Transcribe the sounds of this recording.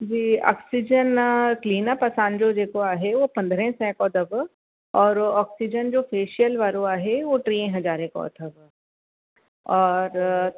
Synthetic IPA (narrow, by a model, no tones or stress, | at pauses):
d͡ʒiːɔ̰ːksid͡ʒənkliːnapɐsaːnd͡ʒoːd͡ʒeːkoaːɦeʋopɐ̃nd̪ʱɾɛ̃sɛ̃kɔːd̪ɐb | ɔːɾɔːksid͡ʒənd͡ʒoːfʰeːʃijəlʋaːɾoaːɦeʋoʈɾiːẽɦɐd͡ʒaːɾẽkɔ̰ːd̪ʱəb | ɔːɾ